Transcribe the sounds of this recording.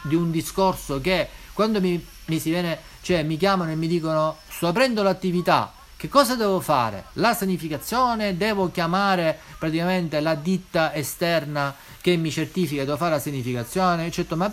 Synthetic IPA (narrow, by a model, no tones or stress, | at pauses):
d̪iund̪iskorsok̟ekːwand̪omi | misivjɛːne | t͡ʃoɛmːik̬jaːmanoemːid̪iːkonost̪ɔapɾɛnd̪olat̪ːivit̪a̰ | k̟ekːɔːzad̪ɛːvofa̰ːɾḛlasaɲifikat̪sːjɔːned̪ɛːvokjamaːɾe | pɾat̪ikament̪elad̪it̪ːaest̪ɛrna | k̟emːit͡ʃert̪iːfikad̪ɛːvofaɾelasaɲːifikat̪sːjɔːneːt͡ʃːɛt̪ːoma